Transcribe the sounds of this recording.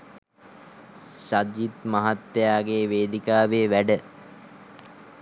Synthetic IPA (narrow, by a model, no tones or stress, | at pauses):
ʃad͡ʒit̪maɦat̪ːejaːɡeːʋeːd̪ikaːʋeʋæɖə